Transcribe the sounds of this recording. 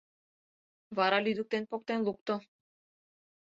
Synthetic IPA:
vaɾalid̪uk̚t̪enpok̚t̪enlˠuk̚t̪o

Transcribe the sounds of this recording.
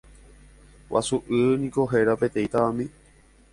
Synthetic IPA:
wʔa̰suʔɨnĩko̞ɦe̞ɾapet̪ẽjt̪aamĩ

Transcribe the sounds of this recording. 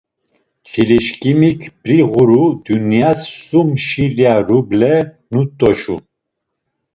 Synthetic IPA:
t͡ʃʰiliʃkʼimikʰb̥ɾiʁuɾud̪̥unijasːumʃiliaɾublɛ | nut̪ʼɔʃṵ

